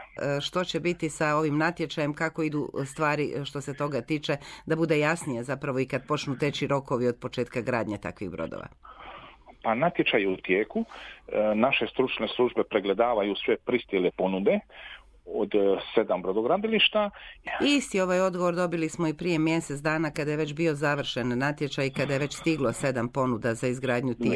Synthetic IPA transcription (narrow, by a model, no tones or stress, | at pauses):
ʃt̪o̞t͡ɕebit̪isao̞ʋimnat̪je̞t͡ʃaje̞mkako̞id̪ust̪ʋaːɾiʃt̪o̞se̞t̪o̞ɡat̪iːt͡ʃe̞d̪abud̪e̞jasnijezapɾaʋo̞ikad̪̚po̞t͡ʃnut̪e̞t͡ɕiɾo̞ko̞ʋio̞d̪̚po̞t͡ʃeːt̪kaɡɾaːd̪ɲet̪a̰kʋḭɣbɾo̰d̪o̰ʋa̰ | panat̪je̞t͡ʃajut̪jeːku | naʃe̞st̪ɾut͡ʃneslˠuʒbe̞pɾeɡle̞d̪aːʋajusʋe̞pɾist̪jelepo̞nud̪e̞ | od̪se̞d̪ambɾo̞d̪oɡɾad̪iliʃt̪aist̪io̞ʋajo̞d̪ɡo̞ʋoɾd̪o̞bilismoipɾije̞mje̞set̪d̪aːnakad̪ajeʋe̞t͡ɕbio̞zaʋr̩ʃenːat̪je̞t͡ʃajkad̪ajeʋe̞t͡ɕst̪iɡlo̞se̞d̪ampo̞nud̪azaizɡɾaːd̪ɲut̪i